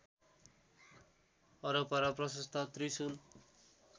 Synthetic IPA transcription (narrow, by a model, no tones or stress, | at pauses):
ʌɾʌpaɾʌprʌsʌst̪ʰat̪risun